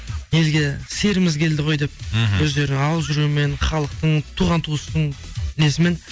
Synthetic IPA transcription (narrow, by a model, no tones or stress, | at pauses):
je̞lɡʲe̞se̞ɾɪmɪzkʲʰe̞ld̪ɪʁo̞jd̪e̞p̚wɵzd̪e̞ɾɪɑwəzʒʏɾume̞nχɑlˠəq̚t̪əɴt̪ʰuʁɑnt̪ʰuəst̪əɴɪle̞sɪme̞n